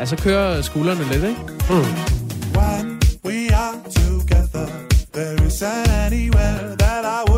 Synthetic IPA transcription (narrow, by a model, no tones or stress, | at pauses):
jæs̬ɒkʰøːɐsɡ̥ṵːlɐnəled̥eɡ̩ | wɛnwiətʰuɡɛðə˞ | ðəɪzɛɛniwɛðəɾaɪw